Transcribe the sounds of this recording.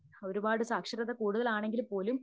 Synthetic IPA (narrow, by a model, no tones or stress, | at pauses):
o̞ɾubaːɽɨsaːkʂɐɾɐðɐkuːɽuðɐlaːɳe̞ŋɡilpo̞ːlum